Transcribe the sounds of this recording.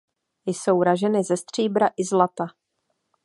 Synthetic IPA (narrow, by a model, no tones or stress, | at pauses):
jɪsowɾaʒɛnɪzɛst̪r̝̥iːbɾaʔɪzlat̪a